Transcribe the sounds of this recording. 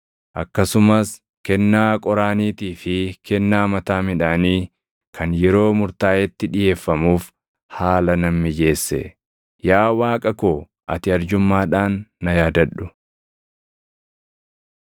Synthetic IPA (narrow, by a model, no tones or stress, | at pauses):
ʔɐkːɐsʊmɐs | kɛnːaːkʼɔɾaːniːt̪iːfɪkʰɛnːaːmɐt̪aːmɪᶑaːniː | kʰɐnjɛɾo̞ːmʊɾt̪aːjɛt̪ːɪᶑɪje̞ːfːɐmuːf | haːlɐnɐmːɪd͡ʒe̞ːsːɛ̰ | jaːwaːkʼɐkoː | ʔɐ̰t̪ɪɐɾd͡ʒʊmːaːᶑaːnːɐjaːd̪ɐᶑːʊ